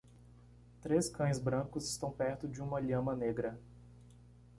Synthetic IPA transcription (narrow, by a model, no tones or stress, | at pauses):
t̪ɾeskɐ̃j̃zbɾɐ̃kʊzɪst̪ɐ̃w̃pɛɾt̪ʊd͡ʒɪũmɐʎɐ̃mɐneɡɾɐ